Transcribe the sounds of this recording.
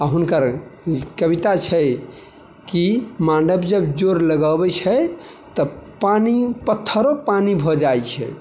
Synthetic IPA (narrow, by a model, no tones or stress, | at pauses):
aɦunkəɾkəβit̪at͡ʃʰɛ | kimãɳɖəbd͡ʒəbd͡ʒoɾləɡəbɛt͡ʃʰɛ | t̪əpanipət̪ʰːəɾopanibʱɔd͡ʒajt͡ʃʰɛ̰